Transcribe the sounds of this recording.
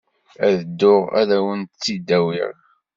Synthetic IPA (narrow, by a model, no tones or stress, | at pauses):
æðəd̪ːʊʁæ̰ðæwənt̪t͡sːid̪ːæwḭɾ